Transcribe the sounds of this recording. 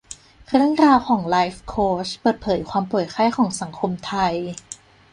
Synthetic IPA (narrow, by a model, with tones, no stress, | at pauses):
kʰɾɯ˥˩əŋɾaː˧wkʰɔː˩˦ŋlaː˦˥jfkʰoː˦˥spɤː˨˩t̪̚pʰɤː˩˦jkʰwaː˧mpu˨˩jkʰa˥˩jkʰɔː˩˦ŋsa˩˦ŋkʰo˧mt̪ʰa˧j